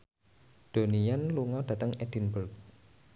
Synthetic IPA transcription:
d̪̥onijanluŋɔɖ̥ä̤t̪əŋɛd̥i̤nbulk̚

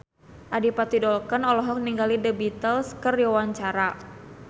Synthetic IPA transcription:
ʔadipat̪idɔlkənɔlɔɦɔk̚niŋɡalidəbit̪əlskərjɔwaɲt͡ʃaɾa

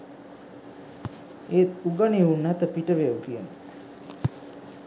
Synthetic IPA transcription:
eːt̪uɡaniunːæt̪əpiʈəʋeukiənə

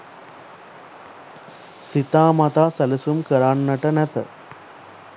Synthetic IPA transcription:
sit̪aːmɐt̪aːsɐlɐsumkɐɾaːnːɐʈɐnɛpɐ̰

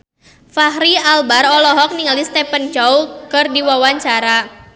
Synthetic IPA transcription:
faɦɾialbarɔlɔɦɔk̚niŋlist̪ɛpənt͡ʃɔkɨrdiwawaɲt͡ʃaɾa

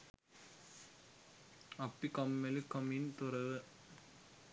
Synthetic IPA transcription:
ɐpːikɔmːɛlɯkːɐmint̪ʊɾɐʋɯ

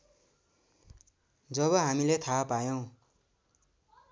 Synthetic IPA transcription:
d͡zʌβʌɦamilet̪ʰapajow̃

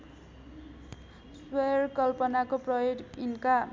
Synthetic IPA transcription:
swerkʌlpʌnakoprʌjodinka

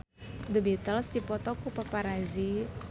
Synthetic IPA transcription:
d̪əbit̪əlsd̪ipɔt̪ɔkupapaɾazi

